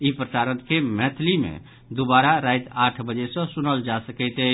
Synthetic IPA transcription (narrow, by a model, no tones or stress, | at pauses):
ipɾəsaɾənkemɛt̪ʰlimḛ | d̪obaɾaɾajt̪aʈʰbəd͡ʒesə̃sunəld͡ʒasəkɛɪt̪ə